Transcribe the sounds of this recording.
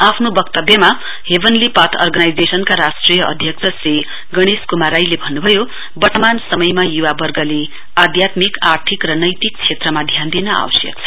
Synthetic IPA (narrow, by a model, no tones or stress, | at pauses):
apʰnobʌkt̪ʌbjʌma | ɦebʱʌnlipat̪ʰʌ̰rɡanajd͡zesʌnkaɾasʈrijʌʔʌ̰d̪ʱjʌk̚t͡sʰʌsri | ɡʌɽ̃iskumaɾajlebʱʌnːubʱʌjo | bʌt̪ʌmansʌmʌjmajuwabʌrɡʌle | ad̪jat̪mikart̪ʰikrʌnʌjt̪ik̚t͡sʰet̪rʌmad̪ʱjand̪inʌa̰wʌsjʌ̰k̚t͡sʰʌ̥